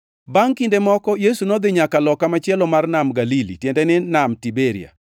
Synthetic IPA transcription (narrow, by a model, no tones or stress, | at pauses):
baŋkindemɔkɔjesunod̪ɪɲakalɔkamat͡ʃɪɛlɔmarnamɡalilḭtjɛndɛnɪnamtibeɾḭa̰